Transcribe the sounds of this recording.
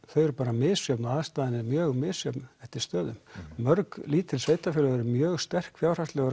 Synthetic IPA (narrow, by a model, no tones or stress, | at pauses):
θœɥɛɾpaːɾamɪːsjœpnaaðst̪aːðɪnɪmjœːɣmɪːsjœpnɛft̪ɪɾ̥st̪œːðʏmmœɾkliːt̪ʰɪlsveːjt̪afjʏːlœɣɛɾmjœːɣst̪ɛr̥kfjaːwr̥ast̪lɛɣʏ